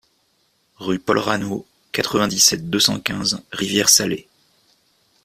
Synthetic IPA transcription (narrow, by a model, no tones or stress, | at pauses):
ʁypɔlʁano | kat̪χəvɛ̃d̪isɛt̪̚d̪øsɑ̰̃kʲɛ̃zʁivjɛʁsale